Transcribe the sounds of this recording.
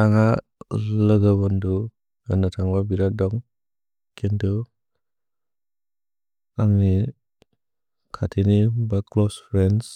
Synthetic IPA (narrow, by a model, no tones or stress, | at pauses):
aŋa | ləɡabɔndu | anatʰaŋbabiɾadɔŋ | kʰendu | aŋni | kʰatʰinibaklɔspʰɾens